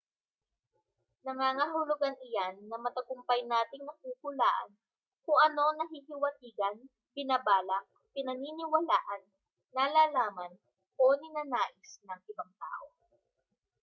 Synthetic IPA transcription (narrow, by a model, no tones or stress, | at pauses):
nɐŋaːŋaɦʊlʊɡanʔɪjanːɐmɐt̪ɐkʊmpɐjnaːt̪ɪŋnɐkukʊlaːʔɐ̰n | kʊŋʔɐno̞nɐɦihɪwɐt̪iːɡɐn | bɪnɐbaːlɐ | pɪnɐniːnɪwɐla̰ːʔɐnː | alaːlaːmɐn | koːnɪnɐnaːʔɪsnɐŋʔɪbaŋt̪a̰ːʔo